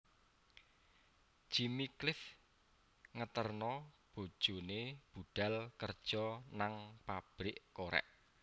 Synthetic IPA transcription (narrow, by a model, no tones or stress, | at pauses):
ʒ̥imiklɪf | ŋət̪ərnɔb̥o̤d̥ʒ̥o̤neb̥uɖ̥a̤lkərd̥ʒ̥ɔnaŋpab̥ɾɪʔkoɾɛ̰ʔ